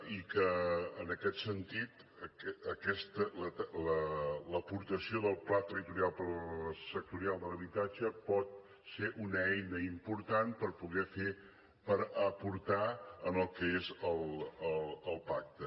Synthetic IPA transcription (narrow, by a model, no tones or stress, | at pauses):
ikəːnəkɛt̪sənt̪it̪ | əɛːkɛst̪ələlələpuɾt̪əsioðəlˠplat̪ərit̪uɾialˠpəɾsək̚t̪uɾialˠd̪ələβit̪ad͡ʒəpɔt̪̚ | seʔunɛjnəimpuɾt̪anpəɾpuɣɛfe | pəɾəpuɾt̪aənəlˠkəezəlˠələlˠpak̚t̪ə